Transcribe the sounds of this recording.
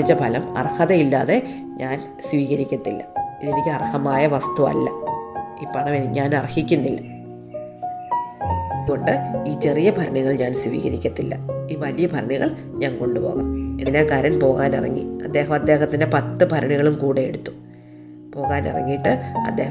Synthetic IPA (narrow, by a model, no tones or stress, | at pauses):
it͡ɕːɐpʰɐlɐmɐ̰rhɐðɐilːaːðe̞ | ɲaːn | sʋiːɣɐɾikʲːɐt̪ːilːɐ̰iðe̞nikʲːɐrhɐmaːjɐʋɐst̪uɐ̰lːɐ̰iːpːɐɳɐmeniɲaːnɐrhikʲːunːilːɐ | ɐððuɣo̞ɳɖɨiːt͡ɕe̞rijɐbʱɐɾɐɳiɣɐɭɲaːnsʋḭːɣɐɾikʲːɐt̪ːilːɐ̰iːʋɐlijɐbʱɐɾɐɳiɣɐ̰ɭ | ɲaːnko̞ɳɖupo̞̰ːɣa̰ːmeninekɐɾɐnpo̞ːɣaːnirɐ̰ŋːḭɐd̪ːe̞ːɦɐmɐd̪ːe̞ːɦɐt̪ːinde̞pɐt̪ːɨpɐɾɐɳiɣɐɭumkuːɽejeɽut̪ːu | po̞ːɣaːnḭrɐ̰ŋːijʈːɨɐ̰d̪ːe̞ː